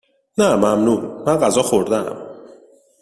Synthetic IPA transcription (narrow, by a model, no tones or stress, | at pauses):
næmæmnuːɾmænɢæzɒːxoɾd̪eæ̰m